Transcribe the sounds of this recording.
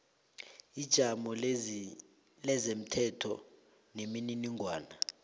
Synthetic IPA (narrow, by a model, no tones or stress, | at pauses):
id̥ʒ̥ʱamɔ | lɛzem̩tʰɛtʰɔ̰ | nemininiŋʱwaːna